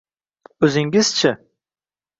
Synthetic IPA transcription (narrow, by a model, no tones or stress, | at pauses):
ɵzɪŋɡɪz̥t͡ʃʰɪ